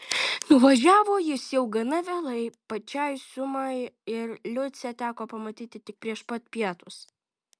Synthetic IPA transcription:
nʊʋɐʒʲæːʋoːjɪsjɛʊɡɐnɐʋʲeːlˠɐɪpɐt͡ʃʲɛɪsʊmɐɪɪɾlʲʊt͡s̪ʲɛt̪ʲæːkoːpɐmɐt̪ʲiːt̪ʲɪt̪ʲɪk̚pʲɾʲiɛʃpɐt̪pʲiɛt̪ʊs

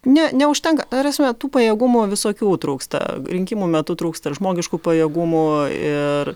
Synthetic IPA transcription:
nʲɛnʲɛʊʃʲt̪ʲɛŋkɐt̪ɐɾʲɛsʲmʲɛt̪uːpɐjeːɡʊmʊʋʲɪsoːkʲuːt̪ɾuːkst̪ɐ̰ɾʲɪŋʲkʲimuːmʲɛt̪ʊt̪ɾuːkst̪ɐʒmoːɡʲɪʃkuːpɐjɛːɡʊmʊɪ̰r

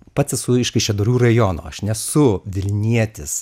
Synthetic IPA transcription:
pɐt̪sʲɛsʊɪʃkɐɪʃʲɛd̪oːɾʲuːrɐjoːno̰ːɐʃnʲɛsʊʋʲɪlʲnʲiɛt̪ʲɪs

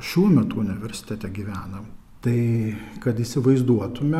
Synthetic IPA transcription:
ʃʲuɔmʲɛt̪uːʊnʲɪʋʲɛɾʲsʲɪ̥t̪ʲæːt̪ʲæːɡʲiːʋʲæːnɐm | t̪ɐɪkɐt̪iːsʲɪʋɐɪzd̪uɔt̪ʊmʲɛ

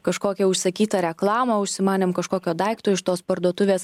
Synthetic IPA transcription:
kɐʃkoːkʲɛʊʃʲsɐkʲiːt̪ɐɾʲɛklˠɑːmɐʊʃʲsʲɪmɑːnʲɪmkɐʃkoːkʲoːd̪ɐɪkt̪oːɪʃt̪oːspɐɾd̪uɔt̪ʊʋʲeːs

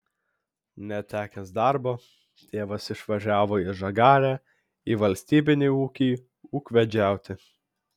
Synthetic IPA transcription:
nʲɛt̪ʲæːkʲɛsd̪ɑɾboː | t̪ʲeːʋɐsɪʃʋɐʒʲæːʋoːɪʒɐɡɑːɾʲæː | iːʋɐlʲsʲt̪ʲiːbʲɪnʲeːuːkʲiː | uːkʋʲɛd͡ʒʲæˑʊt̪ʲɪ

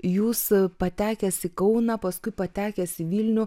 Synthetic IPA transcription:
juːspɐt̪ʲæːkʲɛsʲɪkɐʊnɐpɐskʊɪpɐt̪ʲæːkʲɛːsʲɪʋʲiːlʲnʲʊ

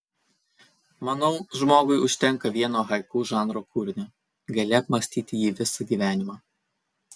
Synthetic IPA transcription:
mɐnɐʊʒmoːɡʊɪʊʃʲt̪ʲɛŋˑkɐʋʲiɛnoːɦɐɪkuːʒɑːnɾoːkʰuːɾʲɪnʲoː | ɡɐlʲɛɐpmɐsʲt̪ʲiːt̪ʲɪjiːʋʲɪsɐɡʲiːʋʲæːnʲɪmɑː

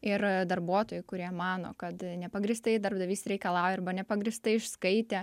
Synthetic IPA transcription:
ɪrd̪ɐrbuɔt̪oːjʊɪkʊɾʲiɛmɑːno̰ːkɐt̪nʲɛpɐɡɾʲist̪ɐɪd̪ɐrbd̪ɐʋʲiːsɾʲɛɪkɐlˠɑːjɪrbɐnʲɛpɐɡɾʲist̪ɐɪɪʃskɐɪt̪ʲeː

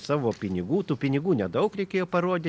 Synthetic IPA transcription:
sɑːʋoːpʲɪnʲɪɡuːt̪uːpʲɪnʲɪɡuːnʲɛd̪ɐʊkɾʲɛɪkʲeːjoːpɐɾoɔːd̪ʲɪ

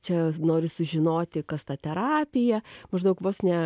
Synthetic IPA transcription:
t͡ʃʲɛnoːɾʲɪsʊʒʲɪnoːt̪ʲɪkɐst̪ɑːt̪ʲɛɾɑːpʲɪjɛmɐʒd̪ɐʊkʋoːsnʲɛ

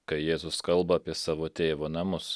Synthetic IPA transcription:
kɐɪjeːzʊskɐlˠˑbɐɐpʲiɛsɑːʋoːt̪ʲeːʋoːnɐmʊs

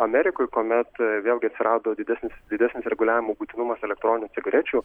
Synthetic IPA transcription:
ɐmʲɛɾʲɪkoːjkoːmʲɛt̪ʋʲeːlˠʲɡʲɪɐt̪ʲsʲɪɾɑːd̪oːd̪ʲɪd̪ʲæsʲnʲɪsd̪ʲɪdʲæsʲnʲɪsɾʲɛɡʊlʲæːʋʲɪmuːbuːt̪ʲɪnʊmɐsɛlʲɛkt̪ɾoːnʲɪnʲʊːtsʲɪɡɐɾʲɛt͡ʃʲuː

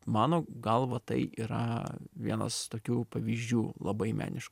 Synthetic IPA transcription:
mɑːnoːɡɐlˠʋɐt̪ɐɪiːɾɐ̰ʋʲiɛnɐ̰st̪oːkʲuːpɐʋʲiːzʲd͡ʒʲuːlˠɐ̰bɐɪmʲæ̰ːnʲɪʃk

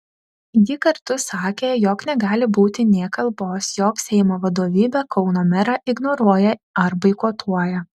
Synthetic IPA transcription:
jiːkɐɾt̪ʊsɑːkʲeːjoːknʲɛɡɑːlʲɪbuːt̪ʲɪnʲiɛkɐlˠboːsjoːksʲɛɪmoːʋɐd̪oːʋʲiːbʲɛkʰɒʊnoːmʲɛɾɑʔɪɡnoːɾuɔjɛɐɾbɐɪkoːt̪ʰuɔjɛ

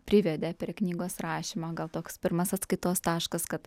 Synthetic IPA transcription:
pʲɾʲɪʋʲɛd̪ʲeːpʲɾʲɛknʲiːɡoːsɾɑːʃʲimoːɡɐlˠt̪oːkspʲɪɾmɐsɐt̪skɐɪt̪oːst̪ɑːʃkɐskɐt̪

